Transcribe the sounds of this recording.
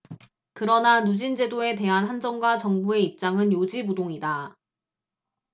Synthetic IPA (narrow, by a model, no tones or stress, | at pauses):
kɯɾʌnanud͡ʑind͡ʑe̞doe̞te̞ɦanɦand͡ʑʌŋɡwat͡ɕʌŋbue̞ip̚t͡ɕ͈aŋɯnjod͡ʑimudoŋida